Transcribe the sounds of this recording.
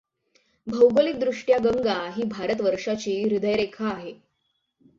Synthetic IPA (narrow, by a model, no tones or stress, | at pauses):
bʱəwɡəlik̚d̪ɾuʂʈjaɡəŋɡaɦiːbʱaɾət̪ʋəɾʂat͡ɕiːɾid̪ʱəjɾekʰaːɦe